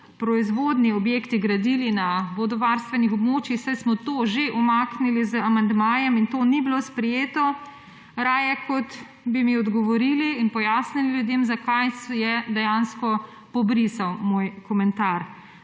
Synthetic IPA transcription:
pɾɔizʋod̪niɔbjeːkt̪iɡɾad̪ilinabod̪ɔʋaɾst̪ʋɛnixɔbmoːt͡ʃixsajsmɔt̪oːʒeʔɔmaknilizəamand̪maːjɛmint̪oːnibilospɾɛjeːt̪ɔ | ɾaːjɛkɔt̪ | bimiɔd̪ɡɔʋɔɾiliːnpɔjaːsnililjud̪jemzakajsjɛd̪ɛjanskɔ | pɔbɾisawmoːjkɔmɛnt̪aɾ

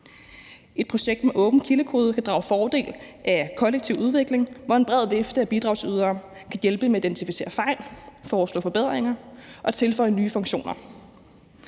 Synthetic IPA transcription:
e̝d̥̚pʰʁo̝ɕeɡ̥d̥meʔɔ̽ːb̥n̩kʰiləkʰo̝ːð̞ˠkʰæd̥ʁɑ̈ʊfɒːd̥e̝̰ːlʔækʰɒ̽leɡ̥̚t͡sʰiʊuð̞ˠʋe̝ɡ̥le̝ŋʋɒe̝nb̥ʁɛð̞̰ˠʋe̝fd̥əæb̥id̥ʁɑ̈ʊsyð̞ˠɐː | kʰæjelb̥əmeid̥ent͡sʰifise̝̰ːɐfɑ̈ɪ̰lfɒːslɔ̰̽ːfɒ̽b̥e̝ð̰ˠʁeŋɐʔɒ̽t͡sʰe̝lfɒ̽ɪənyːfɔ̽ŋɕo̝̰ːnɐ

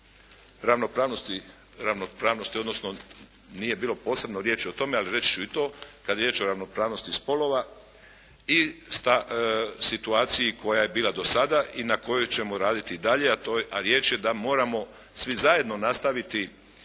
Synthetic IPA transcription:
ɾaʋno̞pɾaːʋnost̪i | ɾaʋnopɾaːʋno̞st̪io̞d̪no̞sno̞ | nije̞biːlo̞po̞ːse̞bnoɾje̞ːt͡ʃio̞t̪o̞me̞aliɾe̞t͡ʃi̥t͡ʃuit̪o̞ːkad̪jeɾje̞ːt͡ʃo̞ɾaʋno̞pɾaːʋno̞st̪ispo̞lˠo̞ʋa | ist̪asit̪uaːt̪sijikʰo̞jaje̞biːlad̪o̞sad̪aʔinako̞jojt͡ɕe̞mo̞ɾaːd̪it̪iːd̪aʎe̞at̪oaɾje̞ːt͡ʃje̞d̪amo̞ːɾamo̞ | sʋizaje̞d̪no̞nast̪aʋit̪i

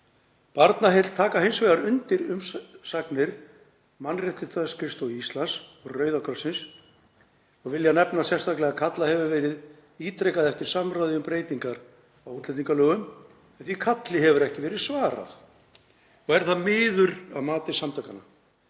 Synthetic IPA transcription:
paɾt̪naɦet̪t̪ʰaːkaɦejnsvejðaɾʏnt̪ɪɾʏmsaknɪɾ̥ | manrɛht̪ɪɾ̥θaskʰɾɪst̪owist̪lansɔɣrœːɥðakʰɾɔsːɪns | ɔɣvɪljanɛpnasɛst̪ahklɛɣakʰat̪lahɛvʏvɛːɾɪð | iːt̪ɾɛjkaðɛft̪ɪɾ̥samɾaːðɪʏmpɾeːjt̪iŋkaɾ | awuːt̪lɛt̪iŋkalœːɣʏm | ɛnθikʰat̪lɪɦɛvʏɾɛhcɪvɛːɾɪðsvaːɾa̰θ | ɔɣɛɾ̥θaðmɪːðʏɾaðmaːt̪ɪ̥samt̪ʰaːkana

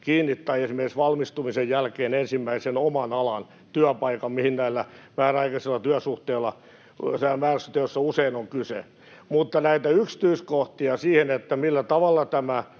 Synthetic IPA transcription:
kiːnːit̪ːɑiesimerkiksʋɑlmist̪umisejjælkeːnensimːæisenomɑnɑlɑn | t̪yæpɑikɑmmihinnæilːæmæːrɑikɑselːɑt̪yæsuht̪eːlːˑɑ | seæmæːræsyt̪ːejosːɑuseinoŋkysḛ | mut̪ːɑnæit̪æyksi̥t̪yiskoht̪iɑsiːhenet̪ːæmilːæt̪ɑʋɑlːɑt̪æmæ

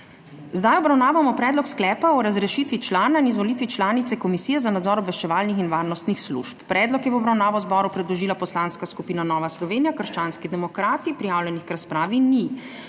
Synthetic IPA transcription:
zd̪ajɔbɾawnaːʋamɔpɾɛːd̪lɔksklɛːpaɔɾazɾɛʃit̪ʋit͡ʃlaːnainizʋɔlit̪ʋit͡ʃlaːnit̪sɛkɔmisiːjɛzanad̪zɔːɾɔbʋɛʃt͡ʃɛʋaːlnixinʋaːɾnɔst̪nixslṵʃpːɾɛːd̪lɔkjɛwɔbɾawnaːʋɔzbɔːɾupɾɛd̪lɔʒiːlapɔslanskaskupiːnanɔːʋaslɔʋeːnijakəɾʃt͡ʃaːnskid̪ɛmɔkɾaːt̪ipɾijaːwlʲjɛnixkɾaspɾaːʋini

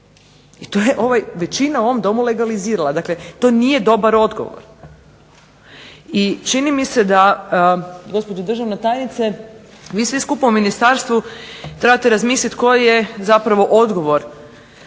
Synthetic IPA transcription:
it̪ojeʔo̞ʋajʋe̞t͡ʃinauo̞ʋomd̪o̞mule̞ɡaliziːɾalˠad̪aklet̪o̞ːnije̞d̪o̞baɾo̞d̪ɡo̞̰ʋo̰ɾ | it͡ʃinimise̞d̪a | ɡo̞spo̞d͡ʒud̪r̩ʒaʋnet̪aːjnit̪se | ʋiːsʋiskupauminist̪aɾst̪ʋut̪ɾebat̪eɾazmiːslit̪ko̞jijezapɾaʋo̞ʔo̞d̪ɡo̞ʋo̞ɾ

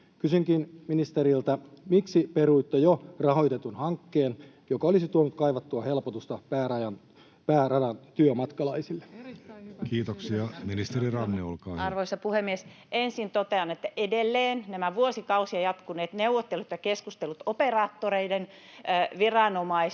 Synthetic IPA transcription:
kysyŋkinminist̪eɾilt̪ɑmiksiperuit̪ːojorɑɦoit̪et̪unhɑŋkːeːn | jokɑolisit̪uonut̪kɑiʋɑt̪ːuɑhe̞lpot̪ust̪ɑpæːrɑjɑn | pæːrɑdɑnt̪yømɑt̪kɑlɑisilːe | kiːt̪oksiɑminist̪eɾirɑnːeo̰lkɑ̰ːɑrʋoisɑpuhemːies | ensint̪ot̪eɑnet̪ːæʔedelːeːnnæmæʋuosikɑusiɑjɑt̪kuneːt̪neuwʋot̪ːelut̪jɑkeskust̪elut̪operɑːt̪ːoreiden | ʋirɑnomɑis

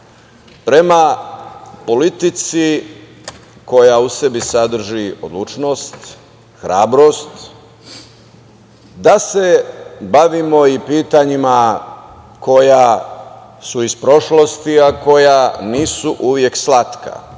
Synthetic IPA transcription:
pɾe̞ma | po̞lit̪it̪si | ko̞jausebisad̪r̩ʒio̞̰d̪lˠut͡ʃno̞ːst̪ | xɾaːbɾo̞st̪ | d̪ase̞baʋimo̞ipiːt̪aɲima | ko̞ja | suispɾo̞ʃlo̞st̪iako̞janiːsuʔuʋjekslat̪ka̰

